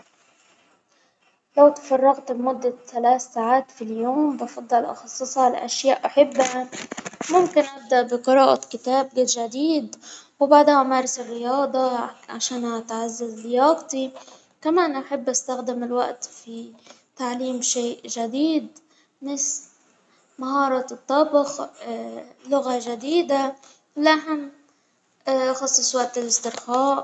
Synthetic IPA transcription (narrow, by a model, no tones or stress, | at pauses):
lawt̪ḁfɑrˤːɑɣt̪bmʊd̪ːaθalaːθːaːʕaːt̪filjoːmbɑfɑd̪ˤːɑlʔɑ̰xɑsˤːɨsˤɑla̰ʔaʃjaːʔʔaħɪbːa | mʊmkɪnʔab̚d̪aʔbɪqɨɾˤɑːʔɑ̰t̪kɪt̪aːb̚ɡeːd̪ʒad̪iːd̪wbaʕd̪hamaːɾˤɪsɪrːɪjɑːd̪ˤɑʕaʃaːnhat̪ʕazːazd̪ɪjɑːqt̪ˤi | kamaːnʔaħɪbːʔast̪axd̪ɪmɪlwa̰ʔt̪fi | t̪aʕliːmʃeːʔʒad̪iːd̪ | nɪs | maɦɑːɾˤɑt̪ˤːɑbx | lʊɣaʒad̪iːd̪a | lʔaɦam | xɑsˤːɨsˤwaʔt̪ɪlɪst̪ɪɾxaːʔ